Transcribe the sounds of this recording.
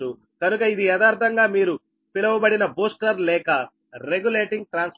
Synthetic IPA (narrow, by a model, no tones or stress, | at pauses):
u | kɐnukɐid̪iɛd̪aːɾt̪ɐŋɡaːmiːɾu | pilɐʋubɐɽinɐboːsʈɐɾlɛːkɐ | ɾeɡule̞ːʈiŋɡ̚ʈɾaːns